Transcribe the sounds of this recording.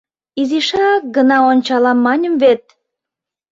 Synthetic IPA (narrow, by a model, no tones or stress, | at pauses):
iziʃɑkɡənɑonʲt͡ɕɑlɑmːɑnʲə̆mβet̪̚